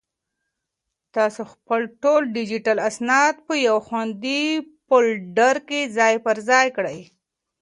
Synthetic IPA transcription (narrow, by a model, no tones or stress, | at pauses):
t̪ɑsoxpəlʈolɖid͡ʒiʈalasnɑd̪̚pəjawxwand̪ipolɖaɾkezɑjpəɾzɑjkɽəj